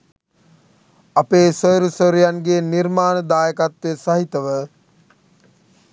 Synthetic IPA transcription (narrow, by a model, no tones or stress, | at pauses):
apeːsəɾusəɾujanɡeːniɾmaːnəd̪aːjəkat̪ʋesaɦit̪əʋə